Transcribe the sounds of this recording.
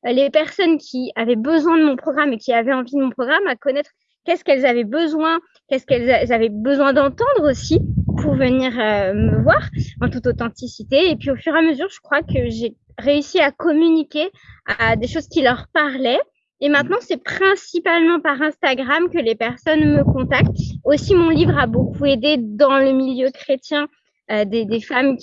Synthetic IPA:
lepɛʁsɔnkʲʰiavɛbəzwɛ̃d̪əmɔ̃pχɔɡʁamekʲiavɛɑ̃vid̪əmɔ̃pχɔɡʁamakɔnɛt̪χ | kɛskɛlzavɛbəzwɛ̃ | kʲɛskɛlzazavɛbəzwɛ̃d̪ɑ̃t̪ɑ̃d̪ʁosipuʁvəniʁøməvwaʁɑ̃t̪ut̪ot̪ɑ̃t̪isit̪eːpɥiofyʁeaməzyʁʒəkχwakəʒe | ʁeysiakɔmynikʲead̪eʃozkʲilœʁpaʁlɛ | emɛ̃t̪nɑ̃sɛpχɛ̃sipalmɑ̃paʁɛ̃st̪aɡʁamkəlepɛʁsɔnməkɔ̃t̪ak̚t̪osimɔ̃livʁabokued̪ed̪ɑ̃ləmiljøkχet̪jɛ̃ | ød̪ed̪efamkʲ

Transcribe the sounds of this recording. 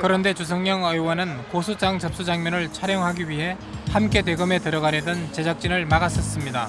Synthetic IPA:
kɯɾʌnde̞t͡ɕus̬ʰʌŋɲʌŋʌjwʌnɯnkosʰut͡ɕ͈aŋt͡ɕʌp̚s͈ud͡ʑaŋmjʌnɯɭt͡ɕʰaɾjʌŋɦaɡiɥiɦe̞ | hamk͈e̞t̬we̞ɡɯme̞tɯɾʌɡanedɯnt͡ɕe̞d͡ʑak̚t͡ɕ͈inɯɭmaɡas͈ʌs͈ɯmɲida̰

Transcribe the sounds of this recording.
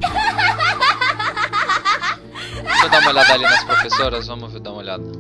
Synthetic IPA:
vɐ̃mʊd̪aũmɐoʎad̪ɐalinɐspɾosfesoɾɐzvɐ̃movid̪aumɐolʎa̰d̪ɐ

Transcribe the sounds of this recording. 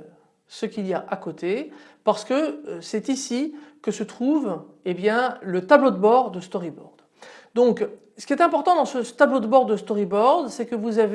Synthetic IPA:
səkʲiljaʔakot̪ʰepaʁsə̥kəsɛt̪isikəsət̪χuv | ebjɛ̃lət̪ablod̪əbɔʁd̪əst̪ɔʁibɔ̰ʁd̪ | d̪ɔ̃k | sə̥kʲiɛt̪ɛ̃pɔʁt̪ɑ̃d̪ɑ̃sət̪ablod̪əbɔʁd̪əst̪ɔʁibɔʁd̪sɛkəvuzave

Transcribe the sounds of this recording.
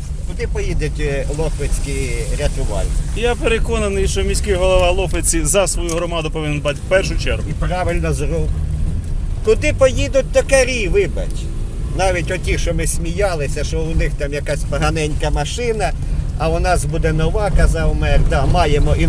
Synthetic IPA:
kʊd̪ɪpɔjid̪etʲlˠɔxʋet͡sʲkiɾʲɐt̪ʊʋɑ̰lʲjapeɾekɔnɐnɪjʃɔmʲisʲkɪɦɔlˠɔʋɑlˠɔxʋet͡sʲizɐsʋɔjuɦɾɔmɑd̪ʊpɔʋɪnɛnbat̪ʲwpɛrʃʊjt͡ʃɛrɦʊipɾɑʋɪlʲnɔzruk | kʊd̪ɪpɔjid̪ʊt̚ʲt̪ɔkɐɾʲiʋɪbɐ̰tʲ | nɑʋʲitʲɔtʲiʃɔmɪsʲmʲijɑlˠɪsʲɐʃɔʊnɪxt̪ɑmjɐkɑsʲpɔɦɐnɛnʲkɐmɐʃɪnɐː | ʊnɑsbud̪ɛnɔʋɑkɐzɑwmɛkt̪ɑmɑjemɔi

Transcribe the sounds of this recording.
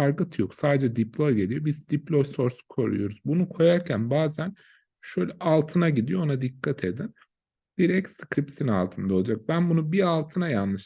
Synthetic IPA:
aɾkɯt̪ʰjoksaːd̪ed͡ʒɛd̪iplʲˠoɟe̞lʲijo̞bizd̪iplʲˠojso̞ɾskʰo̞ɾṵjo̞ɾuz̥bunukʰo̞jaɾcʰænbaːzæn | ʃøjlʲɛʔalˠt̪ʰɯnaɟid̪ijoonad̪ikʰːat̪ʰe̞d̪in | d̪̥iɾɛcskɾipsina̰lˠt̪ʰɯnd̪ao̞lˠad͡ʒak̚bænbunubialˠt̪ʰɯnajanlɯʃ

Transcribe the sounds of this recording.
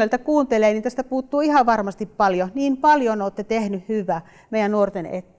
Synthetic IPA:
ølt̪ækuːnt̪eleːniːt̪æst̪æpuːt̪ːuːihɑʋɑrmɑst̪ippɑljoniːmpɑljoneoːt̪ːet̪ehnyhhyʋæ | meijænnuort̪enḛt̪ː

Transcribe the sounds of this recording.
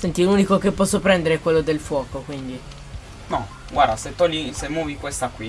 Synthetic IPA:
sɛnt̪iluːnikokepːɔsːopɾɛnd̪eɾeɛkwelːod̪elfwɔːkokwind̪i | nɔ | ɡwaɾd̪aset̪ːɔlːisemːɔːvikwest̪akwi

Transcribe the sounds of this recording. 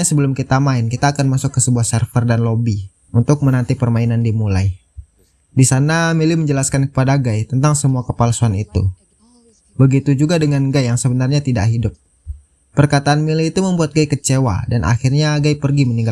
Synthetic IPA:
asəbəlʊmkit̪amaɪnkit̪aːkanmasʊkːəsəbuahsɛrfərdanlobi | unt̪ʊk̚mənant̪ipərmainandimulaj | disanamiliməɲd͡ʒəlaskankəpadaɡajt̪ənt̪aŋsəmuakəpalsuanit̪ṵ | bəɡit̪ud͡ʒuɡadəŋanɡajaŋsəbənarɲat̪idaʔɦidʊp̚ː | ərkat̪aʔːnmiliːt̪uməmbuat̪̚ɡajkət͡ʃewa̰danʔa̰xirɲaɡajpərɡiməniŋɡa

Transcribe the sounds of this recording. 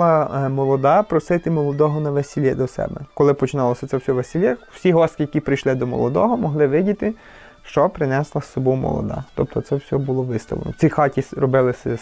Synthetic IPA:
ɐmɔlˠɔd̪ɑpɾɔsɪt̪ɪmɔlˠɔd̪ɔɦɔnɐʋesʲɪlʲɛd̪ɔsɛ̰bɛ̰kɔlˠɪpɔt͡ʃɪnɑlˠɔsʲɐt̪sɛwsʲɔʋesʲɪlʲɛw̥sʲiɦɔskʲɪjɐkʲipɾɪjʃlˠɪd̪ɔmɔ̰lˠɔd̪ɔ̰ɦɔmɔɦlˠɪʋɪdʲit̪ɪ | ʃt͡ʃɔpɾɪnɛslˠɐsɔbumɔ̰lˠɔ̰d̪ɑ̰t̪ɔp̚t̪ɔt̪sɛwsʲɔbulˠɔʋɪst̪ɐ̰lˠḛnɔ̰sʲixɑtʲiɾɔbɪlˠɪsɛ

